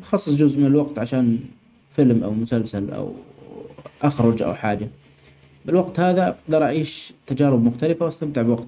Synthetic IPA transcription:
bxɑsˤːɨsˤd͡ʒʊzʔmɪnɪlwaqt̪ʕaʃaːn | fɪlmʔa̰wmʊsalsalʔa̰w | ʔaxɾˤʊd͡ʒʔa̰wħaːd͡ʒa | bɪlwaqt̪haːðaʔɑqd̪ɑɾˤʔaʕiːʃt̪ad͡ʒaːɾɪbmʊxt̪alɪfawast̪amt̪ɪʕbwaqt̪

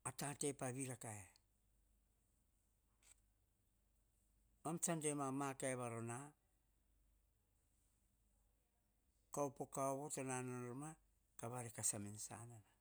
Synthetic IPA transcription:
atate̞paβiɾakae | omt͡ʃandemamakaeβaɾo̞na | kawpokaoβo̞tonanonoɾma | kaβaɾekasaminsa̰nana

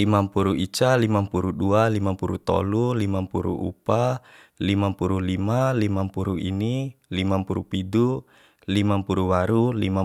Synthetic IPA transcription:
limampuɾuit͡ʃalimampuɾudualimampuɾut̪ɔ̰lulimampuɾṵʔṵpa | limampuɾulimalimampuɾuinilimampuɾupidu | limampuɾuwaɾulima

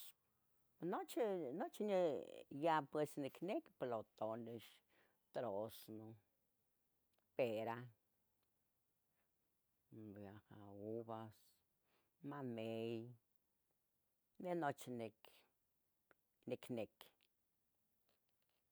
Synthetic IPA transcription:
not͡ʃnot͡ʃnejapwesnikʰnekplot̪oneʃ | t̪ɾosno | peɾa | bjahaubas | manej | nenot͡ʃnek | nekʰnek

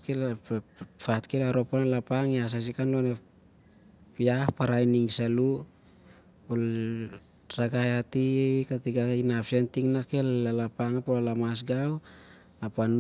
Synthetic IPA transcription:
ke | fatkelaɾo̞panalapaŋjas̬as̬ikanlo̞ne | piahpaɾajniŋsalu | ol | raɡajatiejkatiɡainapsentiŋnakelːalapaŋapolalamas̬ɡaw | lapan

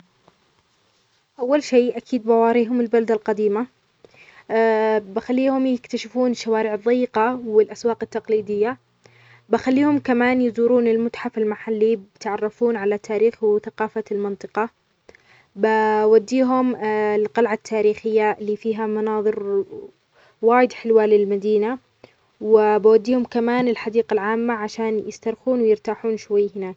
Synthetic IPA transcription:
ʔawːalʃeːʔakʰiːd̪̚bawɑːɾiːɦʊmɪlbalad̪alqɑd̪iːma | bɪxalːiːhʊmjɪkt̪aʃɪfuːnɪʃːawaːɾɪʕɨðˤːɑjːɪqɑwɪlʔaswɑːqɪt̪ːɑqliːd̪ɪjːa | bɪxalːiːhʊmkamaːnjɪzuːɾuːnɪlmʊt̪ħafɪlmaħalːibɪt̪ʕɑrˤːɑfuːnʕalat̪ʰːaːɾiːxwθaqɑːfalmɪnt̪ˤɨqɑ | bawad̪ːiːɦʊmlqɑlʕat̪ʰːaːɾiːxɪjːalːiːfiːɦamɑnɑːðˤɨɾ | waːjɪd̪ħɪlwaːlɪlmad̪iːna | wɪbawad̪ːiːhʊmkamaːnɪlħad̪iːqalʕaːmːaʕaʃaːnjɪst̪ɑɾˤxuːnwɪjɪɾt̪aːħuːnʃwajːhɪnaːk

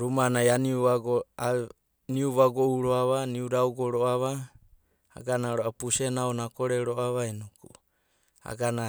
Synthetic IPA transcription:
ɾumanajaniuβaɡoa | niuβaɡoʔuɾoaβaniuɾauɡoɾoaβa | a̰ɡanaɾoʔapusenaonakoɾeɾoʔaβainuku | a̰ɡana

